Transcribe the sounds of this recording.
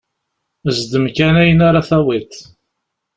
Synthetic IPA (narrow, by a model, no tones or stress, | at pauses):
əzd̪əmkænæjənaɾaθæwit̪